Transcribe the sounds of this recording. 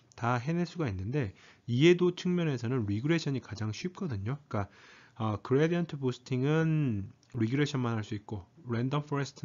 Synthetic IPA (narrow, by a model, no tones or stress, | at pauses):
taɦe̞neɭs͈uɡainːɯnde̞ie̞dot͡ɕʰɯŋmjʌne̞sʰʌnɯnɾiɡɯɾe̞ɕʰʌɲikad͡ʑaŋɕʰɥip̚k͈ʌdɯɲok͈aʌkɯɾediʌntʰɯposʰɯ̥tʰiŋɯn | ɾiɡɯɾe̞ɕʰʌnmanɦaɭs͈uik̚k͈oɾendʌmfʰoɾesʰɯ̥tʰ